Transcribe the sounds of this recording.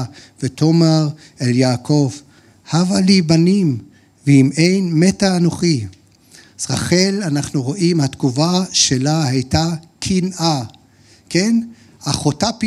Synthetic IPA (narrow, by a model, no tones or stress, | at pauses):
veto̞maʁ | eljaːkʰo̞v | havalibanim | veime̞jnme̞taːnoχi | z̥ʁaχe̞lanaχnuʁo̞ʔimhat̪kuvaʃelahajtakʰinʔa | ke̞n | aχotapi